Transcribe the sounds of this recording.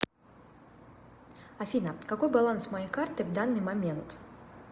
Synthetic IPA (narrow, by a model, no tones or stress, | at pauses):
ɐfʲinəkɐko̞jbɐlˠansmɐjejkart̪ɨvd̪anːɨjmɐmʲent̪